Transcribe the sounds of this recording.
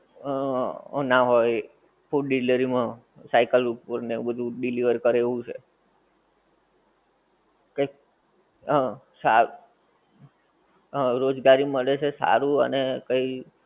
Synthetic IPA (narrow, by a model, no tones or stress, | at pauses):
naɦoj | fuʈɖiləɾimã | sajkəlupəɾnebəd̪ʱũɖiliʋəɾkəɾeʋũt͡ʃʰḛ | kə | sa | ɾod͡ʒɡaɾiməɭet͡ʃʰesa̰ɾũə̰nekəi